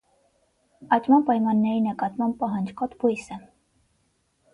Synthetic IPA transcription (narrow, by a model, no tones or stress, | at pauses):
ɑt͡ʃmɑmpɑjmɑnːɛɾinəkɑt̪mɑm̚pɑɦɑnd͡ʒkɔt̪bujsə